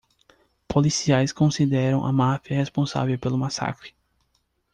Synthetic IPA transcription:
polisiajskõsid̪ɛɾɐ̃w̃ʔɐ̰mafiɐhespõsa̰vewpelʊmasa̰kɾɪ̥

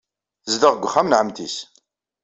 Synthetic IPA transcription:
zd̪əʁɡʷχːæmnʕəmt̪is

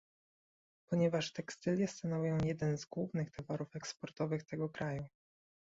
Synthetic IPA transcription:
pɔɲɛvaʂt̪ɛkst̪ɘlʲjɛst̪anɔvʲujɔ̃w̃jɛd̪ɛnzɡwuvnɘxt̪ʰavaɾufɛkspɔɾt̪ɔvɘxt̪ɛɡɔkɾaju

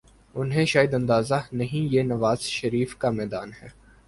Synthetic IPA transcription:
ʊnɦẽʃaːjəd̪ɐ̃nd̪aːzanɐɦĩjenɐʋaːz̥ʃɐɾiːfkamɛːd̪aːnɦɛː

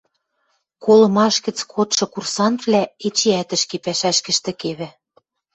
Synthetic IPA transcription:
kolɤ̆mɑʃkɘ̆t͡skʰot̪ʃɤ̆kursɑnt̪vlʲæet͡ɕeæt̪ɘ̆ʃkepæʃæʃkɘ̆ʃt̪ɘ̆keβɘ̆

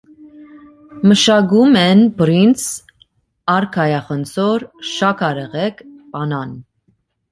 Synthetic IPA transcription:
məʃɑɡumɛnbɾint͡s | ɑɾkʰɑjɑχənt͡sʰɔɾʃɑkʰɑɾɛʁɛkʰpɑnɑn

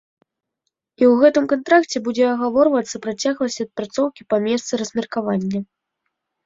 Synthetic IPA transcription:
iwɣɛt̪ɨmkant̪ɾakt͡sʲɛbud͡zʲɛɐɣavɔrvɐt̪sːɐpɾat͡sʲaɣlˠɐsʲɐt̪̚pɾat̪sɔwkʲipamʲɛst̪sɨɾɐzmʲɛrkavanʲːɐ

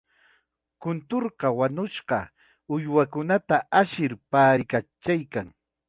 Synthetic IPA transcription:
kʊnt̪oɾɢɑwanʊʃɢɑ | ʊjwakʊnat̪aʔaʃɪɾpaːɾɪkat͡ʃajkaŋ

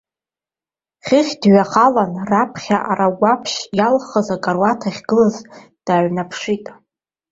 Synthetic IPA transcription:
χʲɪχʲdɥaχalanrapʰχʲaʔaɾaɡʷapʰʃjalχəzakʼarwatʰaχʲɡɨlaz | d̥aːɥnapʰʂitʼ

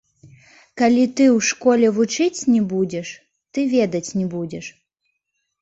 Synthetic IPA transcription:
kalʲit̪ɨwʂkɔlʲɛvut͡ʂɨt͡sʲnʲɛbud͡zʲɛʂ | t̪ɨvʲɛd̪ɐt͡sʲnʲɛbud͡zʲɛʂ

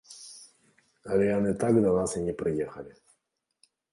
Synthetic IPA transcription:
alʲɪanɨt̪aɡd̪ɐnasɨnʲɪpɾʲɪjexɐlʲɪ

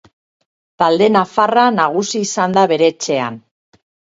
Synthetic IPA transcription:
t̪ald̪e̞nafaranaɣusiːsand̪aβe̞ɾe̞t͡se̞a̰n

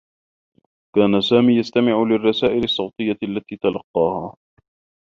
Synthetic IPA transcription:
kaːnasaːmiːjast̪amɪʕʊlɪrˤːɑsaːʔɪlɑsˤːɑwt̪ˤɨjːaalːat̪iːt̪ɑlɑqːɑːhaː

